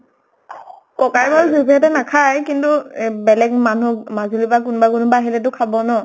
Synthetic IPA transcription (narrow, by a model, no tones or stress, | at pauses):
kɔkajbaɹzubɛt̬ɛnakʰajkintubɛlɛkmanumazulibak̬ʊnbak̬unʊbaɦilɛt̬ʊkʰabɔnɔ